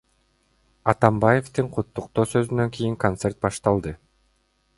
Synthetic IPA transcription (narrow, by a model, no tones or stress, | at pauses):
ɑt̪ɑmbaje̞ft̪ɯɴqʰut̪ːuqt̪o̞ːsø̞zynø̞ŋkʲijiŋko̞nt̪se̞rt̪̚bɑʃt̪ɑlˠd̪ɯ